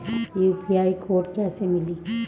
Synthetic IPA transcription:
jupiaːikʰoːɾʈkɛːsemɪliː

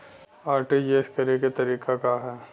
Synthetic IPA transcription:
aːɾʈid͡ʒeːʃkɐɾeket̪ɐɾiːkakaɦɛː

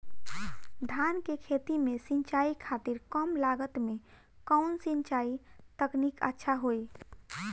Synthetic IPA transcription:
d̪ʱaːnkekʰeːt̪imẽsĩnt͡ʃaːikʰaːt̪iɾkəmlaːɡət̪mẽ | kəʊnsĩnt͡ʃaːit̪əknikə̰tːʃʰaɦoːi

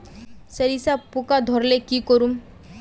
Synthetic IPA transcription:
səɾisapukad̪ʱɔɾlekiːkəɾuːm

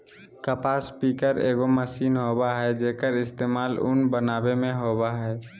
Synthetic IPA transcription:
kəpaːspiːkəɾḛːɡoməsiːnɦoːbaɦɛd͡ʒeːkəɾɪst̪eːmaːlʊ̰nbənaːbemẽɦoːbaɦɛː

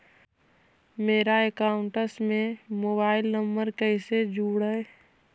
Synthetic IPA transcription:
meːɾaekaːʊ̃ɳʈəsmẽmoːbaːɪlnəmbəɾkɛːsed͡ʒuːɽəe

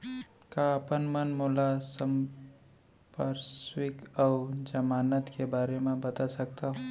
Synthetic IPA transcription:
kaəpənmənmolasə̃m | pəɾswɪkɔːd͡ʒəmaːnət̪kebaːɾemẽbɐt̪asək̚t̪aɦo

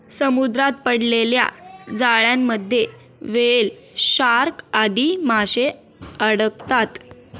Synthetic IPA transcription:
səmud̪ɾat̪̚pəɽlelja̰d͡zaɭjamːəd̪ʱːje | ʋeel | ɕaɾkad̪imaɕe | əɽəkt̪at̪

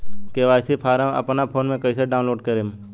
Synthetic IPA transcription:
keʋaːjsipʰaːɾãɐ̰pnapʰoːnmẽkəɪseɖaːʊnloːɖkəɾeːm

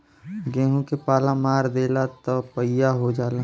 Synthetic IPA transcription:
ɡɛ̃ːɦũkepaːlãmaːɾd̪eːlat̪əpəjaɦod͡ʒaːlã

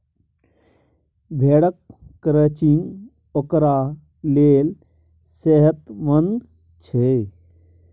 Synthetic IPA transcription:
bʱeːɽəkːɾət͡ɕin | ɔkɾa | leːl | seɦət̪ʋənd̪ | t͡ɕʰe

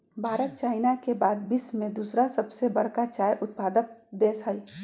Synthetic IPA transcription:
bʱaːɾət̪̚t͡ʃaːɪnakebaːd̪bɪsmẽd̪usɾasɐbsebɐɽ̤kat͡ʃaːjʔʊt̪̚paːd̪ək̚d̪eːsɦəi

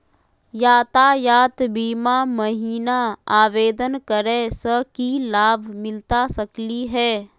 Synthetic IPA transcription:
jaːt̪ajaːt̪biːmaməɦiːnaaːʋeːd̪ənkəɾẽsəkilaːbʱmɪlt̪asəkliɦɛː

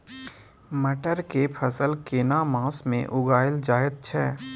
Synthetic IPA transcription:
məʈəɾkepʰəsəlkeːnamãːsmḛ̃ʔʊɡaːɪld͡ʒaːjəd̪̚t͡ʃʰɛː

